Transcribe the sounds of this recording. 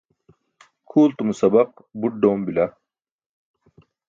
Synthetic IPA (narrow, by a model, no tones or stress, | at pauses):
kʰuːlt̪umusɐbɐq̚ | buʈ̚ɖoːmbilɐ